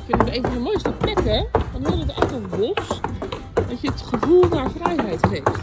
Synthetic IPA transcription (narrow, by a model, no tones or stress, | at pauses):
kfɪnəteːvənəmojstəplɛkɛʋanɪrətɛ̰jtəʋos | dɔtjətχəvulˠnafrɛjhɛjtχeːft